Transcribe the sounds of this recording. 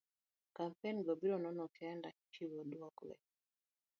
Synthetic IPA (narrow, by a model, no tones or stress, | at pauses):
kampɛnibɔbiɾɔnɔnɔkʰɛanda | t͡ʃiβɔɗuakulɛ̰